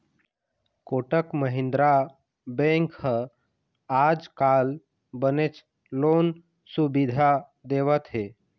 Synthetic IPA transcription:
koʈəkməɦɪ̃nd̪ɾa | bẽŋkhə | ad͡ʒkal | bənet͡ʃ | loːn | subid̪ʱa | d̪eʋət̪ɦe

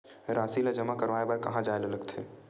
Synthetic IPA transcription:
ɾaːsilad͡ʒəmakɐɾʋaːebɐɾkɐɦãd͡ʒaːelelɐɡt̪ʰeː

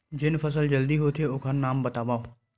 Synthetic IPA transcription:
d͡ʒɪnpʰəsəld͡ʒəld̪iɦoːt̪ʰeoːkʰənnaːmbət̪aːʋaːo

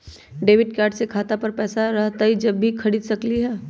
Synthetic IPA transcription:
ɖeːʋɪɖkaːɾɖsekʰaːt̪apɐɾpɛːsaɾɐɦt̪aɦid͡ʒɐbʱːikʰɐɽiːd̪sɐkliɦɛː

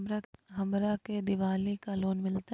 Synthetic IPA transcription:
ɾaɦɐmɾaked̪ɪʋaːlikaloːnmɪlt̪a

